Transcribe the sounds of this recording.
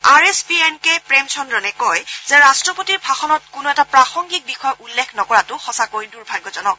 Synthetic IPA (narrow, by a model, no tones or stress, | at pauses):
aɹesbienkepɹemsʰɔndɹɔnɛkɔjz̥ɛɹastɹɔpotiɹbʱaxɔnɔt̚kʊnʊɛtapɹaxɔŋɡik̚bixɔjɔʔulːekʰnɔkɔɹatʊxɔsakojduɹbʱaɡɔzɔnɔk̚